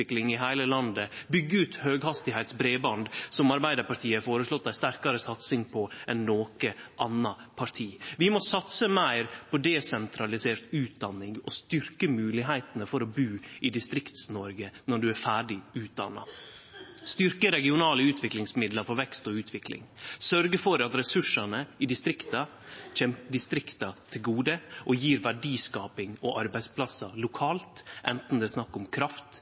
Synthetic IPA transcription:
ɪklɪŋɪɦæɪləlɑnd̪əbʏɡːəʉːt̪høːɡhɑst̪ɪhæɪt̪sbɾeːbɑnd̪sɔmɑɾbæɪd̪əɾpɑʈʰiːəfoːɾəslɔt̪̚ːd̪æɪst̪æɾkɑɾəsɑt̪sɪŋpʰɔɛnnoːkəʔɑnːɑpʰɑt̪ʰiːʋɪmɔsɑt̪səmæɪɾpʰɔd̪ɛsɛnt̪ʰɾɑlɪseːɾt̪ʉːt̪̚d̪ɑnːɪŋɔst̪ʏɾkəmʉːlɪɦæɪt̪ənəfɔɾɔbʉːɪd̪ɪst̪ɾɪkt̪snɔɾɡənɔɖʉæɾfæːɖɪʉːt̪̚d̪ɑ̰nːɑ̰ | st̪ʏɾkəɾɛɡɪʊnɑːləʉːt̪ʰʋɪklɪŋsmɪd̪ləɾfɔɾʋɛkst̪ɔʉːt̪ʰʋɪklɪ̰ŋsœɾɡəfɔɾɑt̪ɾɛsʉʂɑnəɪd̪ɪst̪ɾɪkt̪ɑ | t͡ʃɛmɖɪst̪ɾɪkt̪ɑt̪ʰɪlɡuːd̪əʔɔjiːɾʋæɖiːskɑːpɪŋɔʔɑɾbæɪspʰlɑsɑlʊkʰɑːlt̪ʔɛnt̪n̩d̪ɛːsnɑkːʊmkʰɾɑft̪

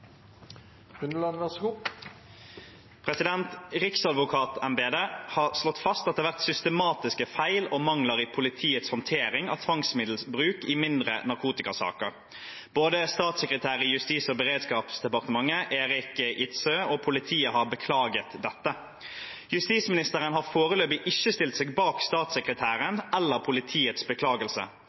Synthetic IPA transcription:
ʉnlɑnʋəskuː | pʰʁɛsɪd̪ɛnt̪ʁɪksɑd̪ʋʊkʰɑːt̪ɛmbeːd̪eːhɑːʁslɔt̪ːfɑst̪ɑt̪d̪ɛʋæʁt̪sʏst̪əmɑːt̪ɪskəfæɪlomɑŋləʁiːpʰʊlɪt̪ʰiːət̪shɔnt̪ʰeːɾɪŋɑ̰t̪ʰʋɑŋsmɪd̪l̩sbʁʉːkimɪnd̪ʁə̰nɑʁkʰuːt̪ɪkɑsɑ̰ːkəʁ | b̥oːd̪əst̪ɑːt̪sɛkʁət̪ʰæːɾəɪjʉst̪iːsɔbəʁeːd̪skɑːpsd̪ɛpɑʁt̪əmɑŋːəʔeːʁɪkʔɪt̪søɔpʰʊlɪt̪ʰiːəhɑɾbəkʰlɑːɡət̪d̪ɛt̪ːə | jʉst̪iːsmɪnɪst̪əʁənɦɑfoːʁəløːbɪʔɪçːəst̪ɪlt̪seːɡbɑːkst̪ɑːt̪sɛkʁət̪ʰæːɾənɛlːəʁpʰʊlɪt̪ʰiːət̪sbəkʰlɑːɡəlsə̰

